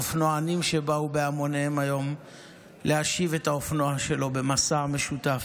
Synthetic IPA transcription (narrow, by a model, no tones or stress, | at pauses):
ofnoanimʃe̞baubeamo̞neemajo̞m | lʔeaʃive̞taofnoaʃe̞lo̞be̞masame̞ʃutaf